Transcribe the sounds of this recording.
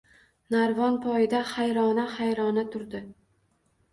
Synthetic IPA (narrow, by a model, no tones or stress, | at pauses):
naɾvɒnpʰɒjɪd̪ahajɾɒnahajɾɒnat̪ʰʊɾd̪ɪ